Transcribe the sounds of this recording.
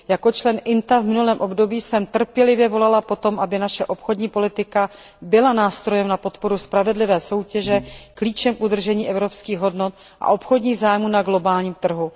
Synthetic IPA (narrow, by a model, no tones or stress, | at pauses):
jako̞t͡ʃlɛnʔɪnt̪avmɪnulɛːmʔo̞bdo̞biːsɛmt̪r̩pjɛlɪvjɛvo̞lalapo̞t̪o̞mʔabɪnaʃɛʔo̞pxodɲiːpo̞lɪt̪ɪka | bɪlanaːst̪ɾo̞jɛmnapo̞t̪po̞ɾuspɾavɛdlɪvɛːso̞wcɛʒɛkliːt͡ʃɛmkud̪r̩ʒɛɲiːʔɛvɾo̞pskiːɣɦo̞dnot̪̚ | ʔa̰ʔo̞pxodɲiːɣzaːjmuːnaɡlo̞baːlɲiːmt̪r̩ɦu